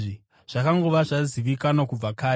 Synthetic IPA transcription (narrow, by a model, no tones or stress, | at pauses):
i | ʐ̥akaŋɡoʋaʐaziʋikanokub͡vakaː